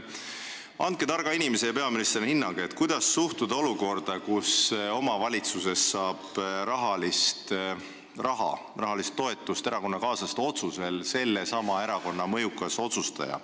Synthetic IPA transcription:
ɑnt̪̚ked̪ɑrɡ̥ɑinʲimese̞jɑpe̞ɑminist̪rihinːɑŋɡ̥et̪ːˑkujd̪̥ɑsːuht̪ud̪̥ɑo̞luko̞rd̪̥ɑkuso̞mɑvɑlʲit̪suse̞sːɑːb̥ɾɑɦɑlist̪ | rɑɦɑ̰ | rɑɦɑlist̪ːo̞e̞t̪ːˑust̪eɾɑko̞nːɑkɑːsɑst̪o̞t̪suse̞lse̞lːe̞sɑmɑe̞ɾɑko̞nːɑmɤjukːˑɑso̞t̪sust̪ɑ̰jɑ̰

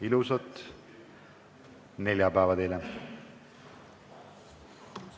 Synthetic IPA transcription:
ilusɑt̪ | ne̞lʲjɑpæːvɑd̪elɛ

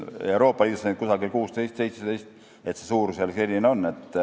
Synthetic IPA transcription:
e̞uɾo̞ːpːˑɑliːd̪usent̪̚kusɑɡilkuːst̪e̞jst̪se̞jt̪sed̪ejst̪ | e̞t̪se̞suːɾseɑlse̞lʲineo̞nːe̞t̪ːˑ

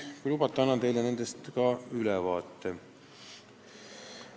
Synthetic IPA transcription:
kujlubɑt̪ːˑeɑnːɑt̪e̞jlene̞nd̪̥e̞st̪kɑylɛvɑːt̪ːe

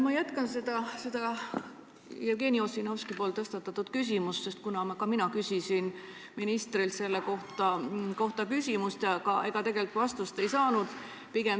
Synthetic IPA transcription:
mɑjæt̪kɑnse̞d̪̥ɑse̞d̪̥ɑ | ɑɡ̥e̞ːnio̞sinoskipolt̪ɤst̪ɑt̪ːˑɑt̪ːˑud̪̥kys̬ʲimusse̞st̪kunɑmɑkɑminɑkysisin | minist̪rilt̪se̞lːeko̞ht̪ˑɑko̞ht̪ɑkysʲimust̪jɑkɑʔe̞ɡ̥ɑt̪e̞ɡ̥elt̪ːˑvɑst̪ust̪e̞jsɑːnud̪̥ | piɡ̥e̞m

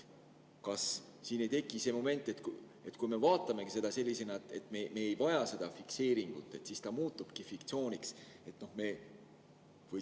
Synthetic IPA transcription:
kɑs | siːnejt̪e̞kːˑise̞mo̞me̞nt̪ːˑe̞t̪k | e̞t̪ːˑkujme̞vɑːt̪ːˑɑme̞kise̞d̪ɑse̞lʲːise̞nɑet̪ːˑe̞t̪ːˑmeme̞ːejvɑjɑse̞d̪̥ɑfikse̞ːɾiŋɡ̥ut̪ːˑe̞t̪sist̪ɑmuːt̪ːˑub̥kifikt̪sio̞ːnʲiks | e̞t̪ˑno̞hme̞ | vɤ

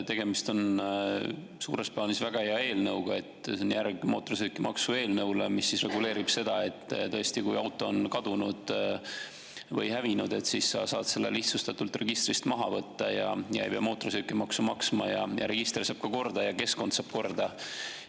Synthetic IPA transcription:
t̪e̞ɡ̥emist̪o̞n | suːɾe̞spɑnisvæɡ̥ɑeɑe̞ːlnɤwɡ̥ɑe̞t̪ːsonjærɡ̥mo̞ːt̪orosykːimɑksue̞ːlnɤwlemisːisre̞ɡule̞ːɾib̥se̞d̪̥ɑe̞t̪ːˑt̪ɤest̪ikujɑwt̪ːˑo̞ːnkɑd̪̥unud̪̥ | vɤjhævinud̪̥e̞t̪sissɑsɑːd̪se̞lːḛliht̪sust̪ɑt̪ult̪re̞ɡ̥ist̪rist̪mɑɦɑvɤt̪ːɑjɑjɑḛjbeɑ̰mo̞ːt̪orosykːˑimɑksumɑksmɑjɑjɑ̰ɾe̞ɡ̥ist̪rsɑːb̥̚kɑko̞rd̪ɑjɑke̞sko̞nt̪sɑːb̥̚ko̞rd̪ɑ

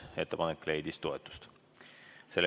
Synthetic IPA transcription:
e̞t̪ːˑepɑnekːle̞jd̪ist̪o̞et̪ːˑu̥st̪ | se̞lː

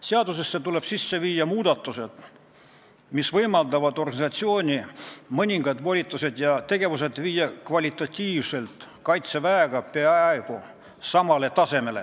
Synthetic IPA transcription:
seɑd̪us̬e̞sːet̪ule̞b̥sisːe̞viːjɑmuːd̪̥ɑt̪ːˑuse̞d̪̥ | misvɤjmɑld̪ɑvɑd̪̥o̞rɡ̥ɑnisɑt̪sio̞ːnʲimɤnʲiŋɡɑd̪̥vo̞lʲit̪ˑːuse̞d̪jɑt̪e̞ɡ̥e̞vus̬e̞d̪viːjːɑkvɑlʲit̪ːˑɑt̪ʲːiːvse̞lt̪kɑjt̪se̞væeɡ̥ɑpeɑeɡ̥u | sɑmɑle̞t̪ɑse̞me̞le̞̰

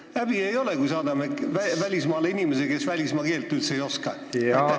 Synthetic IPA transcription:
æb̥ie̞jo̞lekujsɑːd̪ɑmekvævælʲismɑːleinimes̬eke̞svælʲismɑːke̞ːlt̪ːˑyt̪sejo̞skɑ | e

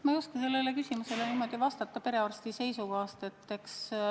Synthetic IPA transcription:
mɑjuskɑs̬e̞lːe̞lekysʲimuse̞leniːmo̞d̪̥ivɑst̪ɑt̪ːˑɑpe̞ɾe̞ɑrst̪ise̞jsukɑst̪et̪ːeks

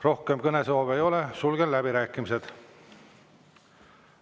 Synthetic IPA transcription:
ro̞hke̞mkɤne̞soːvejo̞lesulɡ̥ellæbiɾæːkːˑimise̞d̪̥

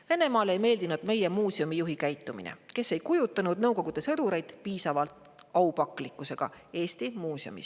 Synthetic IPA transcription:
ve̞ne̞mɑːlejme̞ːld̪̥inud̪̥me̞je̞muːsiomijuɦikæjt̪ˑːumḭnḛke̞sːe̞jkujut̪ˑːɑnud̪̚nɤwko̞ɡ̥ud̪̥e̞sɤd̪uɾe̞jd̪̥piːsɑvɑlt̪ | ɑupɑkˑlikːˑuse̞ɡ̥ɑ̰e̞ːst̪imuːsjo̰mḭs

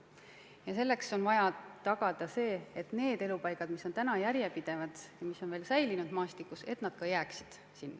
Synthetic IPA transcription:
jɑse̞lːe̞kso̞nvɑjɑt̪ɑɡ̥ɑd̪̥ɑse̞ːet̪ne̞ːd̪̥e̞lupɑjɡkɑd̪̥miso̞nt̪ænɑjæɾjepid̪̥e̞vɑd̪̥jɑmiso̞nve̞ːlsæjlinud̪mɑːst̪ikːuse̞t̪nɑd̪̥kɑjæːksi̥d̪̥ | sinːɑ

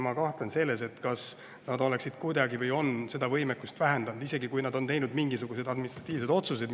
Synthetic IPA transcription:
mɑkɑht̪lense̞lːe̞se̞t̪ːkɑs | nɑd̪o̞le̞ksid̪̥kujd̪ɑɡivɤjo̞nːse̞d̪̥ɑvɤjmekːˑust̪væɦend̪ɑnd̪̥ise̞ɡikujnɑd̪o̞nt̪e̞jnud̪miŋɡisuɡ̥use̞d̪ɑd̪minist̪rɑt̪ːˑiːvse̞d̪o̞t̪sus̬e̞d̪

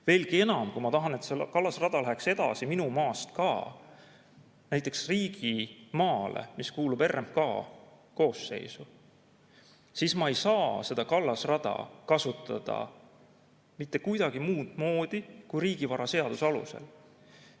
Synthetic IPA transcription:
ve̞ːlɡie̞nɑmkumɑt̪ɑɦɑnet̪selkɑlːɑsrɑd̪̥ɑlæɦekse̞d̪̥ɑ̰siminumɑːst̪̚kɑː | næjt̪ːˑe̞ksriːɡ̥imɑːlḛmiskuːlube̞rːemp̚kɑ̰ː | ko̞ːsːe̞̰jsu | sismɑe̞jsɑːse̞d̪̥ɑkɑlːɑsrɑd̪̥ɑ̰kɑsut̪ːˑɑ̰d̪̥ɑ̰ | mit̪ːˑe̞kujd̪̥ɑɡ̥imuːd̪mo̞ːd̪̥ikujɾiːɡ̥ivɑɾɑse̞ɑd̪̥usɑlṵse̞̰l

